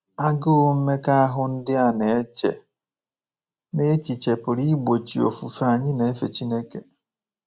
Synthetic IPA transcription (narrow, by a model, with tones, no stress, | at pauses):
a˦ɡʊ˦ʊ˦m̩˦me˦ka˦a˦ɦʊ˦n̩˦dɪ˦a˨ne˨e˦t͡ʃḛ˨ | ne˦t͡ʃi˨t͡ʃe˨pʊ˨ɾi˦ɡ͡bo˨t͡ʃi˨o̰˨fu˨fa˨˦˨ɲɪ˦ne˨e˦fe˨t͡ʃi˦ne˦ke˨